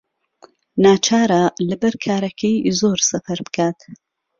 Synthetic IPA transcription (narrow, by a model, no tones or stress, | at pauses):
naːt͡ʃʰaːɾalɐbɐɾkʰaːɾɐkʰɐjzoːɾsɐfɐɾbɨ̥kʰaːt̪